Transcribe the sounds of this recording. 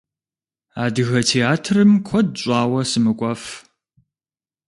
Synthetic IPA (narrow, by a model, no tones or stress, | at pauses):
aːdɨɣɐtʰeːaːtʰrɨmkʷʰɔd̚ɕʼaːwɐsɨmɨkʷʼɔf